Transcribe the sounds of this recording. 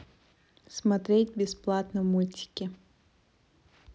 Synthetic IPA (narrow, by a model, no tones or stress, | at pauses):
smat̪ɾʲetʲbʲɪsplˠat̪nəmulʲtʲɪ̥kʲɪ